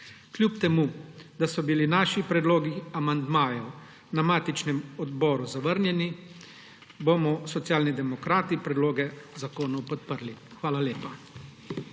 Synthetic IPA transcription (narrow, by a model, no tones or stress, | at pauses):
klʲjupt̪ɛmud̪asɔbilinaːʃipɾɛd̪loːɡiamand̪maːjɛw | namaːt̪it͡ʃnɛmɔd̪bɔːɾuzaʋəɾnjɛni | bomɔsɔt̪sjaːlnid̪ɛmɔkɾaːt̪ipɾɛd̪loːɡɛzakoːnɔwpɔt̪̚pəɾlixʋaːlaleːpa